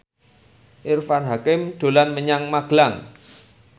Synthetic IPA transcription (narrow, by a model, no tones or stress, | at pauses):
ʔɪrfanɦakɪmɖ̪̥o̤lanməɲaŋmaɡ̥laŋ